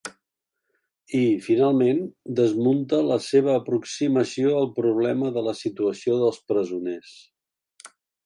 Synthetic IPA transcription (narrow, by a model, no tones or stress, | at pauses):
ifinalˠmend̪əzmunt̪ələseβ̞əːpɾuksiməsioəlˠpɾuβ̞lɛməðələsit̪uəsioðəlˠspɾəzunes